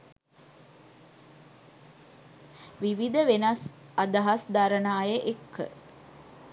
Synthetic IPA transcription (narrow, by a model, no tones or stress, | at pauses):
ʋiʋid̪əʋenɐsad̪aɦasd̪aɾənaːjəʔekːə̰